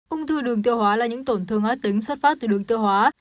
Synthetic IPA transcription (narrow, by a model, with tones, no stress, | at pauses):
ʔʊ˧ŋ͡mt̪ʰɨ˧˩ɗɨ˨˩əŋt̪i˧əwhɦwaː˨˦laː˨˩ɲɨ̰˧˥ŋt̪o˧˩nt̪ʰɨ˨˩əŋʔɔː˨˦t̪ï˨˦ŋ̟swə˦˥t̚faː˦˥t̚t̪ɨ˧˩ɗɨ˨˩əŋt̪i˧əwɦwaː˨˦